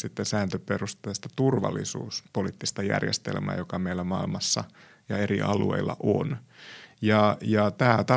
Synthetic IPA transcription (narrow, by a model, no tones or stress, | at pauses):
sit̪ːesæːnt̪øperust̪eːst̪ɑt̪urʋɑ̰lːḭsṵːspoliːt̪ːist̪ɑjæ̰rjḛst̪elmæ̰ːjokɑmeilːæmɑilmɑsːɑ | jɑeɾiʔɑlueilːɑ̰ʔo̰njɑjɑt̪æːt̪ɑ